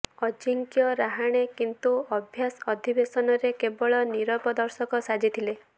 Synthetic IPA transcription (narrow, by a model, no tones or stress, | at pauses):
ɔd͡ʒiŋkjɔɾaɦaɽ̃ekint̪uɔbʱjasɔd̪ʱibesɔnɔɾekebɔɭɔniɾɔpɔd̪ɔɾsɔkɔsad͡ʒit̪ʰile